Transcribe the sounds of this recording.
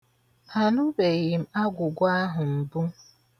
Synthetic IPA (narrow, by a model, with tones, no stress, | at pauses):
a˨nʊ˦be˨ɣɪ˨m̩˦a˦ɡʷʊ˨ɡʷa˦ɦʊ˨m̩˨bu˦